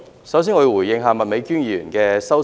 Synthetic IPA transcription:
sɐ˨˥ws̬iː˥nŋɔ˨˧˨wu˨˩jjɪ˧ŋɦaː˨˧mɐ˨t̚me˨˧jkyː˥njiː˥˧jy̰˨˩nkɛː˧sɐ˥w

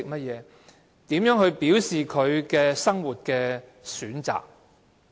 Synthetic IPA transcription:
ɪ˨k̚mɐ˥t̚jɛː˨˧ | t̪iː˨˥mjœː˨˥ŋhɵ˧ɥpiː˨˥wsiː˨kʰɵ˨˧ɥkɛː˧sɐ˥ŋwu˨˩t̚kɛː˧ | syː˨˥nt͡sa̰ː˨˩k̚

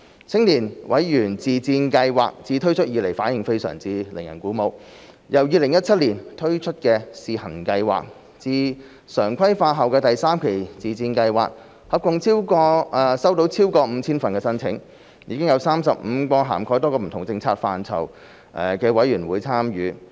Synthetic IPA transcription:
t͡sʰɪ˥ŋliː˨˩nwʔɐ̰˨˥jjyː˨˩nt͡siː˨t͡siː˧nkɐ˧jwa̰ː˨k̚t͡siː˧t̪ʰɵ˥ɥt͡ʃʰɵ˥t̚jiː˧le˨˩jfaː˨˥njɪ˨ŋfe˥jsœ̰ː˨˩ŋt͡siː˧lɪ˨˩ŋjɐ˨˩nkuː˨˥mo˨˧w | jɐ˨˩wjiː˧lɪ˨˩ŋjɐ˥t̚t͡sʰɐ˥t̚liː˨˩nt̪ʰɵ˥ɥt͡ʃʰɵ˥t̚kɛː˧siː˨hɐ˨˩ŋkɐ˧jwa̰ː˨k̚ | t͡siː˧ | sœː˨˩ŋkʰɐ˥jfaː˧tɦɐ˨wkɛː˧t̪ɐ˨jsaː˥mkʰe˨˩jt͡siː˨˩t͡siː˧nkɐ˧jwa̰ː˨k̚ | hɐ˨p̚kʊ˧ŋt͡sʰiː˥wkɔː˧˨sɐ˥wt̪o˨˥wt͡sʰiː˥wkɔː˧m̩ː˨˧t͡sʰiː˥nfɐ˨nkɛː˧sɐ˥nt͡sʰɪ̰˨˥ŋ | jḭː˧kɪ˥ŋjɐ˨˧wsaː˥msɐ˨p̚m̩ː˨˧kʷɔː˧ɦa̰ː˨˩mkʰɔː˨˥t̪ɔː˥kɔː˧m̩˨˩t̪ʰʊ˨˩ŋt͡sɪ˧ŋt͡sʰa̰ː˧k̚fa̰ː˨nt͡sʰɐ̰˨˩w | ʔɛ˨˩kɛː˧wɐ˨˥jyː˨˩nwuː˨˧jt͡sʰaː˥mjyː˨˧

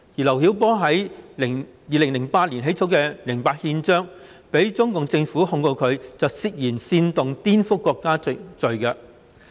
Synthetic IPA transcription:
jiː˨˩lɐ˨˩wɦi˨˥wp̬ɔː˥ɦɐ˨˥jlɪ˨˩ŋjiː˨lɪ˨˩ŋlɪ˨˩ŋpaː˧t̚liː˨˩nɦe˨˥jt͡sʰo˨˥wkɛː˧lɪ˨˩ŋpaː˧t̚hiː˧nt͡ʃœː˥ŋ | pe˨˥jt͡sʊ˥ŋkʊ˨ŋt͡sɪ˧ŋfuː˨˥hʊ˧ŋko˧wkʰɵ˨˧ɥt͡sɐ˨wsi˨k̚jiː˨˩nsiː˧nt̪ʊ˨ŋt̪iː˥nfʊ˥kʷːɔː˧kːaː˥t͡sɵ˨ɥkɐ˧

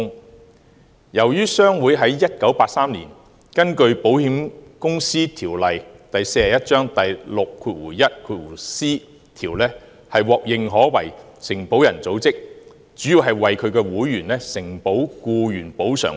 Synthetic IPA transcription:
jɐ˨˩wjyː˥sœː˥ŋwu˨˥jɦɐ˨˥jːɐ˥t̚kɐ˨˥wpaː˧t̚saː˥mlḭ˨˩n | kɐ˥nkɵ˧ɥpo˨˥whiː˨˥mkʊ˥ŋsiː˥t̪ʰiː˨˩wlɐ˨jt̪ɐ˨jse˧jɐ˨˩jɐ˥t̚t͡ʃœː˥ŋt̪ɐ˨jlʊ˨kʰːuː˧t̚wuː˨˩jɐ˥t̚kʰuː˧t̚wuː˨˩siː˥ | t̪ʰiː˨˩wlɛː˥ | hɐ˨jwɔː˨k̚jɪ˨˧ŋɦɔː˨˥wɐ˨˩j | sɪ˨˩ŋpo˨˥wjɐ˨˩nt͡so˨˥wt͡sɪ˥k̚ | t͡syː˨˥jiː˨˧wɦɐ˨jwɐ˨jkʰɵ˨˧ɥkɛː˧wuː˨˥jɥyː˨˩nlɛː˥sɪ˨˩ŋpo˨˥wkuː˧jyː˨˩npo˨˥wsœ̰ː˨˩ŋ

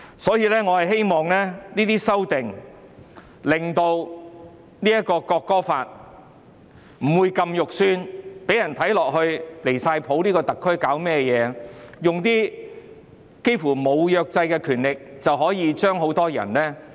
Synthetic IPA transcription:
sɔː˨˥jiː˧lɛː˥ŋɔː˨˧hɐ˨jɦe˥jmɔː˨ŋlɛː˥niː˥t̪iː˥sɐ˥wt̪ɪ˨ŋ | lɪ˨ŋt̪o˧w | niː˥jɐ˥kːɔː˧kɔː˧kːɔː˥faː˧t̚ | m̩˨˩wuː˨˧jkɐ˧mjʊ˨k̚syː˥npe˨˥jɐ˨˩nt̪ʰɐ˨˥jlɔː˨k̚hɵ˧ɥle˨˩jsaː˧jpʰo˨˥wliː˥kɔː˧t̪ɐ˨kʰːɵ˥ɥkaː˨˥wmɛː˥jɛː˨˧jʊ˨ŋt̪iː˥ | ke˥jfuː˨˩mo˨˧wjœː˨˧k̚t͡sɐ˧jkɛ˧kʰyː˨˩nlɪ˨k̚t͡sɐ˨wɦɔː˨˥jiː˧t͡ʃœː˥ŋɦo˨˥wt̪ɔː˥jɐ̰˨˩nlɛː˥

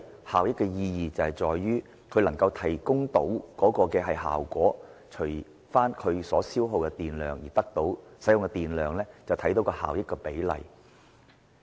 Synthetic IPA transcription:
haː˨wjɪ˥kːɛː˧jiː˧jiː˨t͡sɐ˨˧whɐ˨jt͡sɔː˨jːyː˥ | kʰɵ˨˧ɥlɐ˨˩ŋkɐ˧wt̪ʰɐ˨˩jkʊ˥ŋt̪o˨˥wkɔː˨˥kɔː˧kɛː˧ɦɐ˨jɦa̰ː˨wkʷɔː˨˥t͡ʃʰɵ˨˩j | faː˥nkʰɵ˨˧ɥsɔː˨˥siː˥wɦo˨˧wkɛ˧t̪iː˨nlœː˨˩ŋjiː˨˩t̪ɐ˥k̚t̪o˨˥wsɐ˨˥jʊ˨ŋkɛ˧t̪iː˨˩nlœː˨ŋlɛː˥t͡sɐ˨wt̪ʰɐ˨˥jt̪o˨˧wkɔː˧ha̰ː˨wjɪ˥kːɛ˧pe˨˥jlɐ̰˨˩j

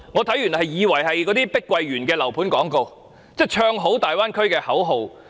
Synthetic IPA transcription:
ŋɔː˨˧t̪ʰɐ˨˥jy˨˩nhɐ˨jjiː˨˧wɐ˨˩jɦɐ˨jk̬ɔː˨˥t̪iː˥pɪ˥kːwɐ˧jɥyː˨˩nkɛː˧lɐ˨˩wpʰuː˨˥nkɔː˨˥ŋko˧w | t͡sɛː˥˩t͡ʃʰœː˧ŋɦo˨˥wt̪aː˨jwaː˥nkʰɵ˥ɥkɛː˧hɐ˨˥wɦo˨˧w

